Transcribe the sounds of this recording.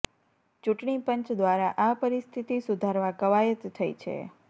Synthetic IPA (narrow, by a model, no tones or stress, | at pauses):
t͡ʃuʈɳipəɲt͡ʃd̪ʋaɾaʔapəɾist̪ʰit̪isud̪ʱaɾʋakəʋajət̪ːʰəit͡ʃʰḛ